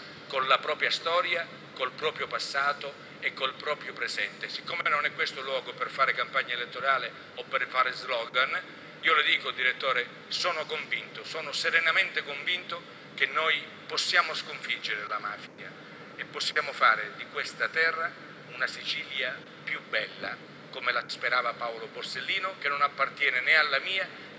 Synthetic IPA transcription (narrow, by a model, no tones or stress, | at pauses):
konlapɾɔːpɾjast̪ɔːɾja | kolpɾɔːpɾjopasːaːt̪o | ekːolpɾɔːpɾjopɾezɛnt̪esikːoːmeenonɛkːwest̪olwɔːɡoperfaːɾekampaɲːaelet̪ːoɾaːle | opːerfaːɾezlɔːɡan | iːolod̪iːkod̪iɾet̪ːoːɾe | sɔːnʊkoɱvint̪osɔːnʊseɾenament̪ekoɱvint̪ʊ | kenːɔj | posːjaːmoskoɱfid͡ʒːeɾelamaːfia | epːosːjaːmʊfa̰ːɾed̪ikwest̪at̪ɛrːa | unasit͡ʃiːlja | pjubːɛlːa̰ | komelaspeɾaːvapaoloborselːiːnokenːonapːart̪jɛːnenealːamiːa